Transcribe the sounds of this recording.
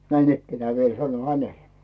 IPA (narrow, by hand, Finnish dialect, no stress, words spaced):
næinikːenæː ʋiel sɑnoĭ hænele̥